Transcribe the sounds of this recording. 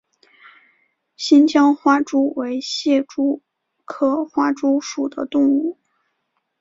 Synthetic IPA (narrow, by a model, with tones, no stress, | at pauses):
ɕi˥nt͡ɕjɑ˥ŋxwa˥ʈ͡ʂu˥we˧˥ɪɕjɛ˥˩ʈ͡ʂu˥ | kʰɤ˥˩xwa˥ʈ͡ʂu˥ʂu˨˩d̪ə̰˦t̪ʊ˥˧ŋu˥˩